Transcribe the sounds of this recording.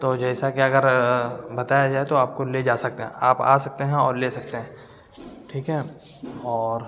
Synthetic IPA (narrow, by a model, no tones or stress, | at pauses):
t̪oːd͡ʒɛːsakeɐɡəɾbɐt̪aːjad͡ʒaːet̪oaːp̚koled͡ʒaːsɐk̚t̪eɦɛ̰̃aːpa̰ːsɐk̚t̪eɦɛ̃ɔːɾleːsɐk̚t̪eɦɛ̃ː | ʈʰiːkɦɛː | ɔːɾ